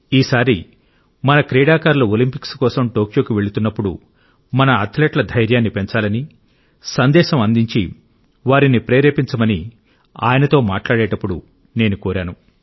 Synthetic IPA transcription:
iːsaːɾi | mɐnɐkɾɛːɽaːkaːɾluolimpikskɔːsɐmʈo̞ːkjo̞ːkiʋe̞ɭut̪unːɐpːuɽṵ | mɐnɐːt̪ʰleːʈlɐd̪ʱɐjɾjaːnːipe̞ɲt͡ʃaːlɐni | sɐnd̪ɛːʃɐmɐnd̪iɲt͡ʃḭ | ʋaːɾinipɾeːɾeːpiɲt͡ʃɐmɐni | a̰ːjɐnɐt̪o̞ːma̰ːʈlaːɽɛːʈɐpːuɽu | ne̞ːnukoːɾaːnu

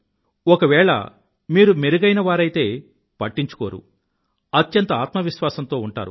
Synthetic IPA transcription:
ɔkɐʋɛːɭɐ̰ | miːɾumeɾuɡɐjnɐʋaːɾɐjt̪e̞ː | pɐʈːiɲt͡ʃu̥koːɾṵ | ɐt̪jɐnt̪ɐaːt̪mɐʋiʃʋaːsɐnt̪o̞ːuɳʈa̰ːɾṵ

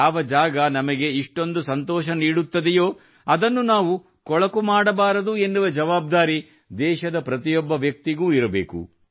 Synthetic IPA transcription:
ɐʋɐd͡ʒaːɡɐnɐmɐɡe̞iʂʈo̞nd̪usɐnt̪ɔːʃɐniːɽut̪ːɐd̪ɛjo̞ː | ɐd̪ɐnːunaːʋu | kɔɭɐkumaːɽɐbaːɾɐd̪ue̞nːuʋɐd͡ʒɐʋaːb̚d̪aːɾi | d̪ɛːʃɐd̪ɐpɾɐt̪ijɔbːɐʋjɐk̚t̪iɡuːiɾɐbḛːkṵ

